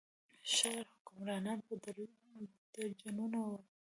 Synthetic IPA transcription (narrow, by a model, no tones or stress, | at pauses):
ʃaɾhʊkʊmɾɑnɑn̚bəd̪aɾjud̪əd͡ʒanunawa